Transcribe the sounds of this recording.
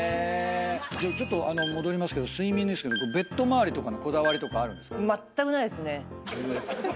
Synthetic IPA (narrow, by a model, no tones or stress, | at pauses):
e | d͡ʑot͡ɕo̞t̪ːo̞ʔano̞mo̞d̪o̞ɾʲimasɨ̥ke̞d̪osɨimʲĩnd̪eske̞d̪okobe̞t̪ːo̞maːɾʲit̪o̞kano̞ko̞d̪aβaɾʲit̪o̞kaːɾɯ̟̃nd̪e̞skamat̪ːakɯ̟naid̪esɨne̞